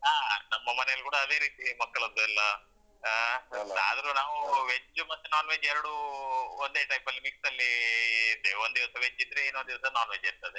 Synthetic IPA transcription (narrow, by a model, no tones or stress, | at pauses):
aːnɐmːɐmɐnɛjɐlukuːɽɐːd̪e̞ːɾiːt̪imɐkːɐɭɐd̪ːuɛlːɐ | a̰ːd̪ɐɾunaːʋuʋeɲd͡ʒumɐt̪ːenaːnʋeːd͡ʒɛɾɐɽuond̪eːʈɐjpɐlːimiksɐlːid̪eond̪iʋɐsɐʋeɲd͡ʒid̪ɾeeːnond̪iʋɐsɐnaːnʋeːd͡ʒiɾt̪ɐd̪e